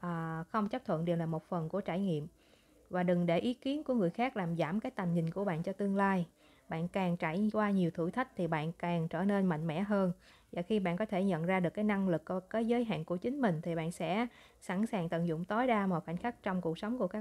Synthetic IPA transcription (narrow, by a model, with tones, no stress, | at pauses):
ʔəː˨˩xə˧wŋ͡mt͡ɕa˦˥p̚t̪ʰə̰˧˨nɗi˨˩wlaː˨˩mo˨˩t̚fə˨˩nku˧˩ət͡ɕaː˧˩jŋḭ˧˨əm | vaː˨˩ɗɨ˨˩ŋɗe˧˩ʔi˨˦ki˨˦ənku˧˩əŋɨ˨˩əjxaː˦˥k̚laː˨˩mzaː˧˩mkaː˨˦jt̪a˨˩jŋ̟ɲï˨˩ŋ̟ku˧˩əɓa̰ː˧˨nt͡ɕɔ˧t̪ɨ˧əŋlaː˧j | ɓa̰ː˧˨nkaː˨˩ŋt͡ɕaː˧˩jkwaː˧ɲi˨˩əwt̪ʰɨ̰˧˩t̪ʰi˦˥k̟̚t̪ʰi˨˩ɓa̰ː˧˨nkaː˨˩ŋt͡ɕəː˧˩ne˧nma̰˧˨jŋmɛ̰˧˥ɦəː˧n | vaː˨˩xi˧ɓa̰ː˧˨nkɔ˨˦t̪ʰe˧˩ɲə̰˧˨nzaː˧ɗɨ˨˩əkːaː˨˦jna˧ŋlɨ˨˩kːkaː˨˦jzəː˨˦jɦa̰ː˧˨nku˧˩ət͡ɕï˨˦ŋ̟mï˨˩ŋ̟t̪ʰi˨˩ɓa̰ː˧˨nsɛ̰˧˥ | sa˧˩nsaː˨˩ŋt̪ə̰˧˨nzʊ̰˧˨ŋ͡mt̪o˨˦jɗaː˧ma˨˩xa˧˩jŋ̟xa˦˥k̚t͡ɕɔ˧wŋ͡mku˨˩ək̚sə˨˦wŋ͡mku˧˩əkaː˦˥